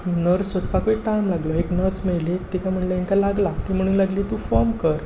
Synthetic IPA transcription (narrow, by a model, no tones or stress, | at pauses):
nəɾt͡sːɔt̪pakʋiʈamlaɡlɔeknəɾt͡smeɭlet̪ikam̤əɳlaiŋk̪alaɡlat̪im̤əɽ̃uːnlaɡliːt̪ufɔɾmkəɾ